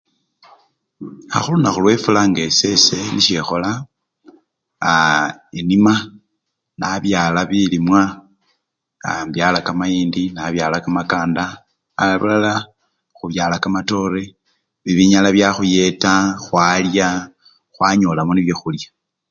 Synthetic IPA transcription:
a̰xulunaxulwe̞fulaŋɡe̞se̞se̞niʃexo̞la | inima | naβjaːlaβilimwa | mbjalakamajiːndinaβjaːlakamakaːndaː | laβulala | xuβjaːlakamato̞ɾe | βiβiɲalaβjaxuje̞taxwaːlja | xwaɲo̞ːlamoniβjexuljḁ

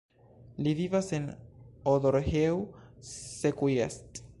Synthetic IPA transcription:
livivasenod̪oɾhew | sekujest̪

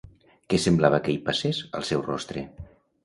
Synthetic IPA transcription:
kesemblaβ̞əkeipasesə̰lˠsɛwrɔ̰st̪ɾḛ

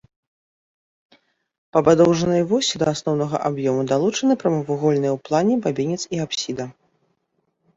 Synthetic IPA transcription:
pɐbad̪ɔwʐɐnɨjvɔsʲid̪ɐasnɔwn̪ɐɣɐ̰ʔabjɔmud̪alˠut͡ʂɐnɨpɾɐmɐvuɣɔlʲnɨjɛwplˠanʲɛbabʲinʲɛt̪siapsʲid̪ɐ

